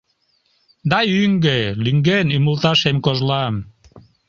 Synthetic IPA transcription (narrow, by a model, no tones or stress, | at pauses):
d̪ɑjyŋɡelyŋɡenymult̪ɑʃemkoʒlɑm